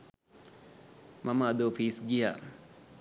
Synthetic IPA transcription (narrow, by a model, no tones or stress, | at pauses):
maməːd̪oːfiːsɡija̰ː